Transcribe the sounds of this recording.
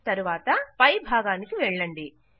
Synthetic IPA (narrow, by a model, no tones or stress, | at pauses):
t̪ɐɾuʋaːt̪ɐpɐjbʱaːɡaːnikiʋɛɭːɐɳɖi